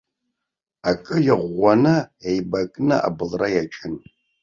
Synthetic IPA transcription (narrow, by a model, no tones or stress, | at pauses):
akʼɨjɪʁʷanɨejbakʼna̰ʔa̰bɨlrajat͡ʃʰʼɪn